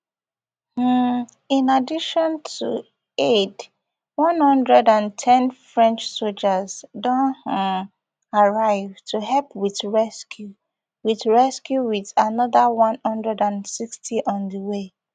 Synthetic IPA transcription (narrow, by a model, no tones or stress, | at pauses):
h̩ | ĩnadiʃɔ̃ntʰṵ | ed | wʌ̃nhʌ̃ndɹɛdãntʰɛ̃nfɹɛ̃nt͡ʃsold͡ʒazdõn | aɹaɪvtʰuɦɛlpwiðɹɛskju | wiðɹɛskjuwiðanɔðawʌ̃nhʌ̃ndɹɛdãnsikstʰiʔɔ̃nðəwe